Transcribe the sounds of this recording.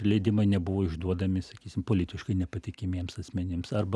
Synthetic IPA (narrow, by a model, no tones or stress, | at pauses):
lʲɛɪd̪ʲɪmɐɪnʲɛbʊʋoːɪʒd̪uɔd̪ɐmʲɪsɐkʲiːsʲɪmpoːlʲɪt̪ʲɪʃkɐɪnʲɛpɐt̪ʲɪkʲɪmʲiɛmsɐsʲmʲɛnʲɪmsɐrbɐ